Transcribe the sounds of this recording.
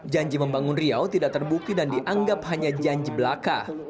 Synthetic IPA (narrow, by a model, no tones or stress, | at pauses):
d͡ʒaɲd͡ʒiməmbaŋʊnriawt̪idaʔ̚t̪ərbuk̚t̪idandiʔaŋɡaphaɲad͡ʒaɲd͡ʒibəlaka̰